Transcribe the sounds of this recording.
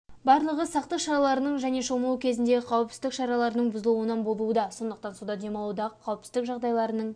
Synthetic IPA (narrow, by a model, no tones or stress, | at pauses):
bɑɾlˠəʁəsɑqt̪əqʃɑɾɑlˠɑɾənəɴʒæne̞ʃomuwəkʲʰe̞zɪnd̪e̞qʰɑwəp̚t̪ɪzd̪ɪkʃɑɾɑlˠɑɾənəɴbʊzəlˠuwənɑnbo̞lˠuəd̪ɑso̞nd̪əq̚t̪ɑnsud̪ɑd̪e̞mɑlˠud̪ɑqʰːɑwəp̚t̪ɪzd̪ɪkʒɑʁd̪ɑjlˠɑɾənəɴ